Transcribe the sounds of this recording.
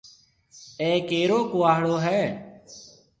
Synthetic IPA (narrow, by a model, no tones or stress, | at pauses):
eːkeːɾoːkoːaːɦɭoːɦɛː